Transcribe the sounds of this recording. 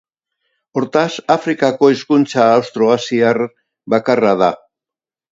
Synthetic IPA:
o̞ɾt̪asafɾikako̞eskunt͡saːwst̪ɾo̞ɣasiar | βakarað̞a

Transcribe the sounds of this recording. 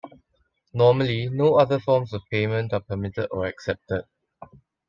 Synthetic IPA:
nɔməlinoːaðəfɔmsɔvpemə̃ntapəmitədɔɹɛksɛp̚təd̚

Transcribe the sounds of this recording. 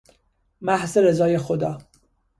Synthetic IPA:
mæhzeɾezɒːjexod̪ɒː

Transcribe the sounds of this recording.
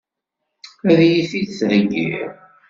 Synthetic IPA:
æðjiθidθðəɡːḭɾ

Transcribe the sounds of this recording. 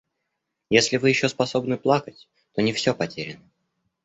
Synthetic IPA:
jesʲlʲɪvɨjɪɕːo̞spɐso̞bnɨplˠakətʲ | t̪o̞nʲɪfsʲɵpɐtʲeɾʲɪnə

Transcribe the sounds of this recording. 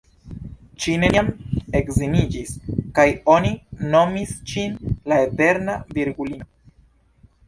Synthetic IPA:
t͡ʃineame̞kzinid͡ʒiskajo̞nino̞misʃinlaete̞ɾnaviɾɡulino

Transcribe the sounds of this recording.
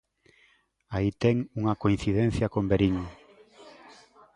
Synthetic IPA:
ait̪ɛŋuŋɐkoinθiðẽnθjɐkombeɾiŋ

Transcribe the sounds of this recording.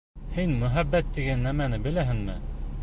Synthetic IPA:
hinmɵ̆ɦæbːæt̪ːiɡænːæmænɘbɘ̆læɦɘ̆ŋmɘ̰

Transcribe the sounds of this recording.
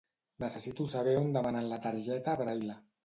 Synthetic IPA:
nəsəsit̪usaβɛond̪əmananlat̪aɾʒɛt̪aβɾajla

